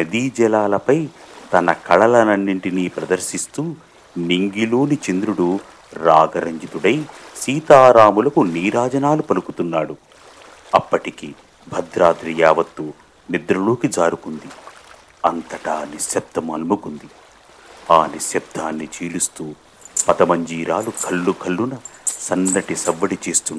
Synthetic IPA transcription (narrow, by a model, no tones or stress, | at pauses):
nɐd̪iːd͡ʒɛlaːlɐpɐjt̪ɐnɐkʰɐɭɐlɐnɐnːiɳʈiniːpɾɐd̪ɐɾsist̪uː | niŋɡiluːnit͡ʃind̪ɾuɽu | ɾaːɡɐɾɐɲd͡ʒit̪uɽɐjsiːt̪aːɾaːmulɐkuniːɾaːd͡ʒɐnaːlupɐlukut̪unːaːɽu | ɐpːɐʈiki | bʱɐd̪ɾaːd̪ɾijaːʋɐt̪ːu | nid̪ɾɐlo̞ːkid͡ʒaːɾukund̪i | ɐnt̪ɐʈaːnisjɐb̚t̪ɐmɐlmukund̪i | aːnisjɐb̚t̪ʰaːnːit͡ʃiːlust̪uː | pɐt̪ɐmɐɲd͡ʒiːɾaːlukʰɐlːukʰɐlːunɐsɐnːɐʈisɐʋːɐɽit͡ʃeːst̪unːa